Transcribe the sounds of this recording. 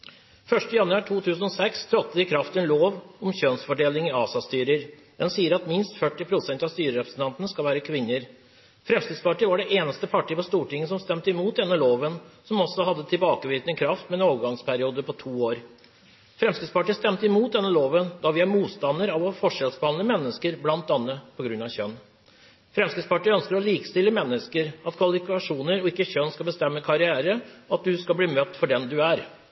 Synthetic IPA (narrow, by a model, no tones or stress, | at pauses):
fœʂʈəjɑnʉɑːʈʰuːt̪ʰʉːsən̩ɔsɛkst̪ʰɾɔt̪ːəɪkʰɾɑft̪ɛnloːʋɔmçønsfɔɖeːlɪŋɪɑːsɑst̪yːɾəɾ | d̪ɛnsiːəɾɑt̪mɪnst̪fœʈːɪpʰɾʊsɛnt̪ɑʋst̪yːɾəɾɛpɾəsn̩t̪ʰɑnt̪ənəskɑlʋæːɾəkʰʋɪnːəɾ | fɾɛmskɾɪt̪spɑʈiːʋɑɖɛʔeːnəst̪əpʰɑʈiːpɔst̪uːʈɪŋːəsɔmst̪ɛmt̪əɪmuːt̪̚d̪ɛnːəloːʋənsɔmɔsːɔɦɑd̪ːət̪ʰɪlbɑːkəʋit̪nəkʰɾɑft̪mɛɛnoːʋəɡɑŋspʰæɾɪuːd̪əpɔt̪ʰuːoːɾ | fɾɛmskɪt̪spɑʈiːst̪ɛmt̪əɪmuːt̪̚d̪ɛnːəloːʋənd̪ɑʋɪɑɾmuːt̪st̪ɑnːəɾɑʋɔfɔʂɛlsbəɑnləmɛnːəskəɾblɑnt̪d̪ɑnːəpʰɔɡɾʉnːɑçœnː | fɾɛmskɪspɑʈiːœnskəɾɔliːkst̪ɪlːəmɛnːəskəɾɑt̪kʰʋɑlɪfɪkɑʂuːnəɾɔɪkːəçœnskɑlbəst̪ɛmːəkʰɑɾɪæːɾəɑt̪̚d̪ʉskɑbliːmœt̪ːfɔɖɛnd̪ʉæɾ